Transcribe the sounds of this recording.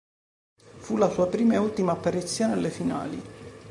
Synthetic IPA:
fulasuːapɾiːmaeult̪imaːpːaɾit̪sːjoːnealːefina̰ːlḭ

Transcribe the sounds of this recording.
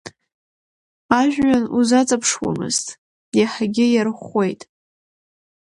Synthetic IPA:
aʒᶣanuzat͡sʼapʰʂwa̰mɨ̰ztʼ | jaħaɡʲɪjarχe̞jtʼ

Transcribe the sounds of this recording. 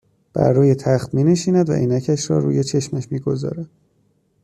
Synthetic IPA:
b̥æ̰ɾːuːje̞t̪ʰæxt̪miːneʃiːnæd̪væ̰ʔiːnæcʰæʃɾɒ̰ːɾuːje̞t͡ʃʰe̞ʃmæʃmiːɡo̞zɒ̰ːɾæd̪̥

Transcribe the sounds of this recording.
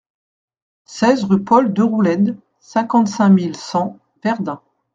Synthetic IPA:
sɛzʁypɔld̪əʁulɛd̪ | sɛ̃kɑ̃t̪sɛ̃milsɑ̃ | vɛʁd̪ɛ̃

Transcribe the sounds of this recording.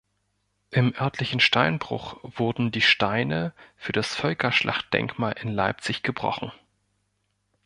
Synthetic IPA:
ʔɪmʔœɐtʰlɪçn̩ʃtaɪnbʁʊ̰χv̥ʊɐdn̩diːʃtaɪnəfyːɐd̥asfœlkʰɐʃlʔa̰χt̚d̥ɛ̰ŋkmaːlʔɪnlaɪp̚t͡sɪçɡ̥əbʁɔ̰χn̩

